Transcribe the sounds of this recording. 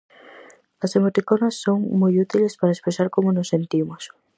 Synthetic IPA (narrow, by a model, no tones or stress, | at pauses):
ɐsemot̪ikonasːoŋmojut̪ilespaɾaespɾesaɾkomʊnosːent̪imʊs